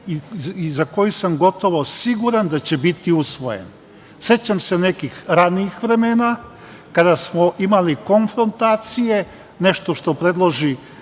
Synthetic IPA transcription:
izako̞jusamɡo̞t̪o̞ʋo̞siɡuɾand̪at͡ɕe̞bit̪iusʋo̞je̞̰n | se̞t͡ɕamse̞ne̞kixɾaniːxʋɾe̞meːna | kad̪asmoʔimaliko̞nfɾo̞nt̪aːt̪sije̞ | ne̞ʃt̪o̞ʃt̪o̞pɾe̞d̪lˠoʒi

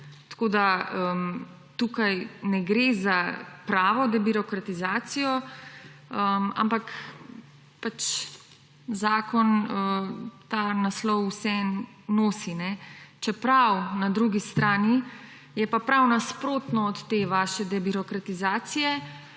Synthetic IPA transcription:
t̪koːd̪aəm | t̪ukajnɛɡɾezapɾaːʋɔd̪ɛbiɾɔkɾat̪izaːt̪sijɔ | əma̰mpak | pat͡ʃ | zaːkɔnət̪aːnaslɔwːsɛ | noːsinɛt͡ʃɛpɾawnad̪ɾuɡist̪ɾaːni | jɛpapɾawnaspɾoːt̪nɔːt̪ːeʋaʃɛd̪ɛbiɾɔkɾat̪izaːsijɛ

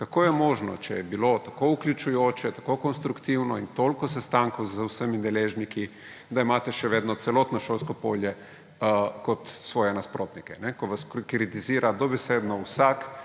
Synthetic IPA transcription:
kakoːjɛmoːʒnɔ̰t͡ʃɛjɛbilot̪akouklʲjut͡ʃujoːt͡ʃɛt̪ḁkokonst̪ɾukt̪iwnɔint̪olkɔsɛst̪aŋkowzawsəmind̪ɛleːʒniki | d̪aimaːt̪ɛʃɛʋeːd̪nɔt̪sɛlɔt̪nɔʃoːlskɔpo̰ːljɛ | kɔt̪sʋɔːjɛnaspɾoːt̪nikɛnɛkɔʋaskkɾit̪iziːɾad̪ɔbɛseːd̪nɔwsak

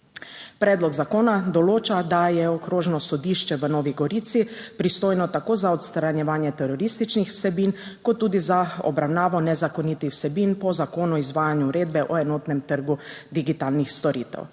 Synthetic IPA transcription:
pɾɛːd̪lɔɡzakoːnad̪ɔloːt͡ʃad̪ajɛɔkɾoːʒnɔsɔd̪iːʃt͡ʃɛʋənɔːʋiɡɔɾiːt̪sipɾist̪oːjnɔt̪akoːzaɔt̪st̪ɾanjɛʋaːnjɛt̪ɛɾɔɾist̪it͡ʃnixw̥sɛbiːnkɔt̪ːuːd̪izaɔ̰bɾawnaːʋɔnɛzakɔnit̪ixwsɛbinpɔzakoːnɔizʋaːjanjuːɾeːd̪̚bɛʔɔɛnɔːt̪nɛmt̪əɾɡud̪iɡit̪aːlnixst̪ɔɾḭːt̪ɛ̰w

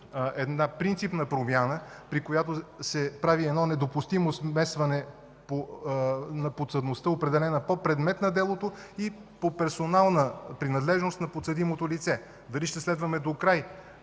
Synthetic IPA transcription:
ɛd̪napɾint̪sipnɐpɾomʲjanə | pɾikojat̪osɛpɾaviɛdnɔnɛd̪opʊst̪imosmɛst̪vɐnɛ | po | nɐpot̪səd̪nost̪əopɾɛd̪ɛlɛnəpopɾɛd̪mɛt̪nɐd̪ɛlˠot̪oipopɛɾsonalˠnəpɾinɐd̪lɛʒnost̪nɐpot̪səd̪imot̪olit̪sɛ | d̪ɐliʃt̪ɛslɛd̪vɐmɛd̪okɾaj

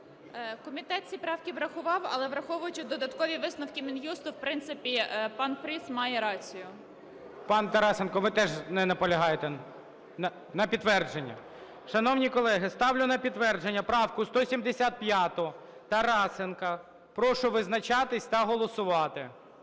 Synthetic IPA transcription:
kɔmʲit̪ɛt͡sʲipɾɑwkʲiʋɾɐxʊʋɑwɐ̰lˠɛʋɾɐxɔʋʊjʊt͡ʃɪd̪ɔd̪ɐt̪kɔʋʲiʋɪsnɔwkʲimʲinjust̪ʊwpɾɪnt̪sɪpʲipɑnpɾismɑjɛɾɑt͡sʲijʊ | pɑnt̪ɐɾɑsenkɔʋɪt̪ɛʒnɛnɐpɔlʲɐɦɑjet̪ɛ | ɐ | nɐpʲid̪ːʋɛrd͡ʒe̞nʲːɐ̰ | ʃɐnɔwnʲikɔlˠɛɦɪst̪ɑwlʲʊnɐpʲid̪ʋɛrd͡ʒenʲːɐpɾɑwkʊst̪ɔsʲimd̪esʲat̪̚pʲjɑt̪ʊ | t̪ɐɾɑsenkɐ | pɾɔʃʊʋɪznɐt͡ʃɑt̪ɪsʲt̪ɐɦɔlˠɔsʊʋɑt̪ɪ

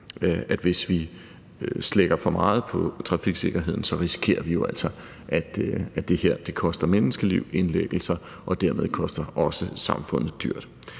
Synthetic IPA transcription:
æd̥ʋe̝sʋi | sleɡ̥ɐfɒ̽mɑ̈ːð̞̩ˠpʰɒ̽t͡sʰʁɑ̈fiɡ̥se̝ɡ̥ɐɦe̝ð̞̰ˠn̩sɒ̽ʁisi̥kʰe̝̰ːɐʋijo̝æl̰sɒ̽ | ʔæd̥æ̥d̥e̝heɐ̰d̥e̝kʰɒ̽sd̥ɐmenəsɡ̥əliʊ̰e̝nleɡ̥l̩sɐ | ʔɒ̽d̥æɐ̰me̝ðˠkʰɒ̽sd̥ɐɒ̽səsɑ̈mfɔ̽n̰ð̞̩ˠd̥y̰ɐ̰d̥

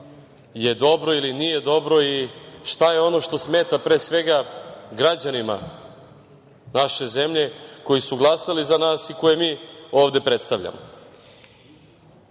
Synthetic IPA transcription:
je̞d̪o̞bɾo̞ilinije̞d̪o̞bɾo̞iʃt̪aje̞o̞no̞ʃt̪o̞sme̞ːt̪apɾeːsʋe̞ɡaɡɾad͡ʑanima̰ | naʃe̞ze̞mʎe̞ko̞jisuɡlˠasalizanaːsiko̞jemiːo̞ːʋd̪e̞pɾe̞t̪st̪aʋʎa̰mo

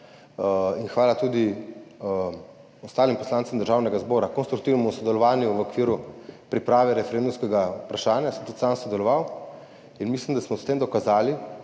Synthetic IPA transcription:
inxʋaːlat̪ud̪i | ɔst̪aːlimpɔslant̪samd̪əɾʒaːwnɛɡazbɔːɾakɔnst̪ɾukt̪iːwnɛmusɔd̪ɛlɔʋaːnjuʋəokʋiːɾupɾipɾaːʋɛɾɛfɛɾend̪umskɛɡaupɾaʃaːnjasəmt̪ut̪samsɔd̪ɛlɔʋaw | inmislimd̪asmɔst̪eːmd̪ɔkazaːli

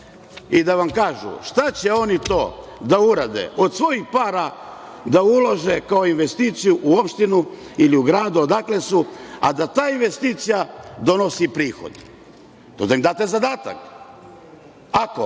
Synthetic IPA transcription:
id̪aʋamkaːʒṵʃt̪at͡ɕe̞o̞nit̪o̞ːd̪auɾad̪ḛʔo̞d̪sʋo̞jixpaːɾa | d̪aulˠoʒe̞kaoinʋe̞st̪iːt̪sijuʔuopʃt̪inu | iliuɡɾaːd̪uod̪aklesua̰d̪at̪aːinʋe̞st̪iːt̪sijad̪o̞no̞sipɾiːxo̞̰d̪ | t̪od̪aimd̪aːt̪ezad̪aːt̪a̰k | ako̰

